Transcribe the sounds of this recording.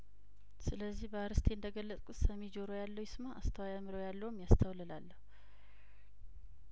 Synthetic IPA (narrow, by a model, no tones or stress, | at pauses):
sɨləzːihbəaɾɨst̪ʰe̞ɨnd̪əɡəlːət͡s̪ʼkʼut̪səmed͡ʒoɾojalːəwjɪsmaʔa̰st̪ʰəwajamɨɾojalːəwumjast̪ʰəwlɨlalːəhu